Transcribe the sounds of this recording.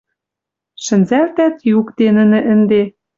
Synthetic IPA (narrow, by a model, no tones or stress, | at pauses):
ʃɘ̆nzælt̪æt̪jukt̪enɘ̆nɘ̆ʔɘ̆nd̪e